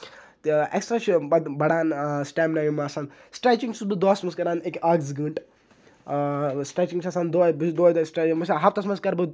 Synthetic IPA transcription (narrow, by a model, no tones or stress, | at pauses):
t̪ḛksʈɾaːt͡ʃʰubɐd̪bɐɽaːnsʈaːmnajimaːsaːn | sʈɾaːt͡ʃiŋɡsubɨd̪oaːsmɐskɐɾaːnekaːɡzɡɨːɳʈ | sʈɾaːt͡ʃiŋɡt͡ʃʰɐsaːnd̪obd̪oːd̪osʈɾamɐsaɦapt̪ɐsmɐskaːɾbɨ